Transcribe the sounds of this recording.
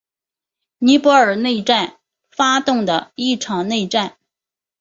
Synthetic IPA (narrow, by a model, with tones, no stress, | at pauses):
ni˧˥pwɔ˧˥ə˞˨˩ne˥˧ɪʈ͡ʂa˥˧n | fa˥t̪ʊ˥˩ŋd̪ə˩i˥˩ʈ͡ʂʰɑ˨˩ŋne˥˧ɪʈ͡ʂa˥˩n